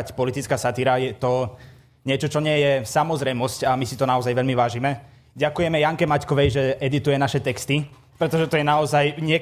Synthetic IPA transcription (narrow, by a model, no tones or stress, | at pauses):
cpɔlit̪it͡skaːsat̪iɾajɛt̪ɔ | ɲɪɛt͡ʃɔt͡ʃɔɲɪɛjɛsamɔzɾɛjmɔscamisit̪ɔnaɔzajʋɛʎmiʋaːʒimɛ | ɟakujɛmɛjaŋkɛmackɔʋɛjʒɛʔɛd̪it̪ujɛnaʃɛt̪ɛkst̪i | pɾɛt̪ɔʒɛt̪ɔjɛnaɔzajɲɪɛ